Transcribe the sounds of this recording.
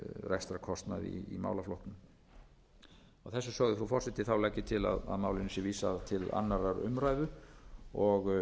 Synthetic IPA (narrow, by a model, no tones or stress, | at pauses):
rɛst̪ɾakʰɔst̪naðḭːma̰ːwlaflɔwht̪nʏm | awθɛsːʏsœɣðʏfɾufɔr̥sɪht̪ɪθawlajcːɪt̪ʰɪla̰ða̰ðmaːwlɪnʏsjɛviːsat̪ʰɪla̰nːaɾaɾʏ̰mɾaːjðʏ | ɔɣ